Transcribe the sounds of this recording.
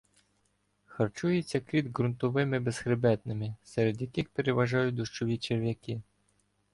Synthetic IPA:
xɐrt͡ʃujet͡sʲːɐkɾʲid̪ɦɾʊnt̪ɔʋɪmɪbez̥xɾɪbɛt̪nɪmɪsɛɾed̪jɐkɪxpeɾeʋɐʒɑjʊt̚ʲd̪ʊʃt͡ʃɔʋʲit͡ʃerʋʲjɐkɪ

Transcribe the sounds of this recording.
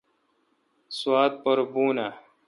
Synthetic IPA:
swaːt̪̚pɐɾbuːna

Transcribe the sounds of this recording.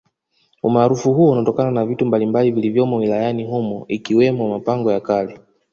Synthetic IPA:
umaːɾufuhuɔunatɔkananavitumbalimbalivilivjɔmɔwilajaniɦumɔikiwɛmɔmapaŋɡɔjakalɛ

